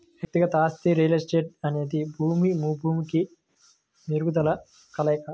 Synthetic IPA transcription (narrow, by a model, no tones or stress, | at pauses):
ʋjɐk̚t̪iɡɐt̪ɐaːst̪iɾiːlesʈeːʈ̚ɐne̞ːd̪ibʱuːmimuːbʱuːmiki | niɾɡud̪ɐlɐ | kɐlɛːkɐ